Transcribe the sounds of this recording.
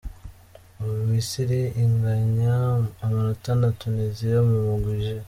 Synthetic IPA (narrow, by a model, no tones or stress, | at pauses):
uuwisiɾeʔiŋɡaɲaːmanotanatunizijomumuɡuʒe